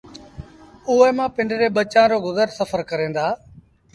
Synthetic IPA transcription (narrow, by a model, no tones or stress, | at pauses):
ʊɦeːmãːpɪɳɖɾeːɓət͡ʃãːɾoːɡʊzəɾsəfʰəɾkəɾẽːnd̪aː